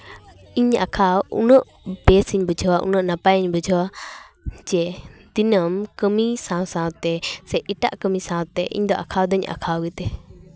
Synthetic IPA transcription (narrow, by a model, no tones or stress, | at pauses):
iɲa̰kʰawṵnəʔ | bɛsiɲbəd͡ʒʱɔwaʔṵnəʔnapajɲbəd͡ʒʱɔwa | d͡ʒɛd̪inəmkəmisãwsãwt̪ɛsɛʔiʈa̰ʔkəmisãt̪ɛʔḭɲd̪ɔʔa̰kʰawd̪əɲa̰kʰawɡit̪ɛ